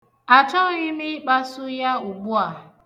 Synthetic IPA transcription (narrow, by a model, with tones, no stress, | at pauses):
a˨t͡ʃɔ˦ɣɪ˦mɪ˦k͡pa˦sʊ˦ja˦u˨ɡ͡bu˦a˨